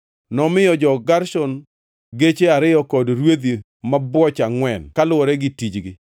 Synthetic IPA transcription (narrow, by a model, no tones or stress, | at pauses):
nɔmɪjɔd͡ʒɔɡaɾsɔn | ɡet͡ʃeaɾɪjɔkɔdɾwed̪i | mabwɔt͡ʃaŋwɛnkalʊɔɾɛɡɪtid͡ʒɡɪ